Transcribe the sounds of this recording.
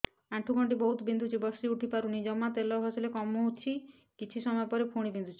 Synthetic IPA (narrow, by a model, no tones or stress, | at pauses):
aʈʰuɡʱɔɳʈ̬ibɔɦut̪bind̪ʱut͡ʃʰibɔsiuʈʰipaɾunid͡ʒɔmat̪elɔɦɔsɔlekɔmoɦut͡ʃʰi | kit͡ʃʰisɔmɔjɔpɔɾepʰuɽ̃ibind̪ʱut͡ʃʰi̥